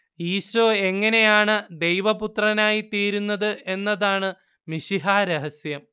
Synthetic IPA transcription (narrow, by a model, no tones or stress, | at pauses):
iːɕʋoe̞ŋːɐne̞jaːɳɨd̪e̞jʋɐput̪rɐnaːjit̪iːɾunːɐðɨe̞nːɐðaːɳɨ | miɕiɦaːɾɐɦɐsjɐm